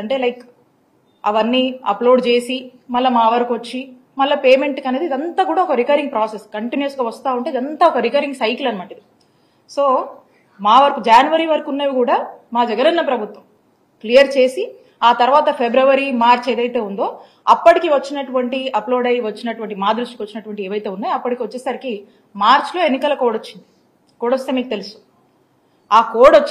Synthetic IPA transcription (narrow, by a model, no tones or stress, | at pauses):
ɐɳʈe̞ːlɐjk | ɐʋɐnːiːɐploːɖt͡ʃe̞ːsi | mɐlːɐmaːʋɐɾɐkuʋɐt͡ʃːi | mɐlːɐpeːme̞ɳʈkɐne̞ːd̪iːd̪ɐnt̪aːkuːɽaːɔkɐɾikɐɾiŋɡ̚pɾaːseskɐɳʈinjɐsɡaːʋɐst̪aːuɳʈeːid̪ɐnt̪aːɔkɐɾikɐɾiŋɡsɐjklɐnimɐɳʈɐd̪i | so̞ː | maːʋɐɾɐkud͡ʒaːnuʋɐɾiʋɐɾɐkunːeːʋikuːɽaːmaːd͡ʒɐɡɐnɐnːɐpɾɐbʱut̪ʋɐm | klijɐɾt͡ʃe̞ːsi | aːt̪ɐɾʋaːt̪ɐpʰebɾɐʋɐɾimaːɾt͡ʃe̞ːd̪ɐjt̪e̞ːund̪o̞ː | ɐpːɐʈikiʋɐt͡ʃːinɐʈuʋɐɳʈiɐplo̞ːɽɐjʋɐt͡ʃːinɐʈuʋɐɳʈimaːd̪ɾuʂʈikiʋɐt͡ʃːinɐʈuʋɐɳʈieːʋɐjt̪e̞ːunːaːjɐpːɐʈikiʋɐt͡ʃːɛːsaɾki | maːɾt͡ʃlo̞ːe̞nːikɐlɐkɔːɽot͡ʃːind̪i | kɔːɽost̪eːmiːkut̪e̞lusu̥ | aːkoːɽot͡ʃː